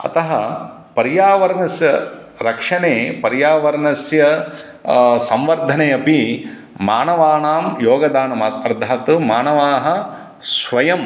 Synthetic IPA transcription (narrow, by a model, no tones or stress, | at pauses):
ɐ̰t̪ɐɦɐ | pɐɾjaːʋɐɾɐnɐsjɐ | ɾɐkʂɐneːpɐɾjaːʋɐɾɐnɐsjɐ | sɐ̃mʋɐɾd̪ʱɐneːɐpi | maːnɐʋaːɳaːmjoːɡɐd̪aːnɐmɐt̪ɐɾd̪ʱaːt̪umaːnɐʋaːɦɐ | sʋɐjɐm